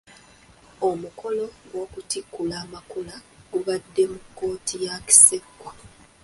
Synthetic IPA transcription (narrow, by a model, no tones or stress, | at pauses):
o̞muko̞lo̞ɡwo̞ːkutikːulaːmakulaɡuβadːe̞mukːo̞ːtʰijaki̥se̞ɡwa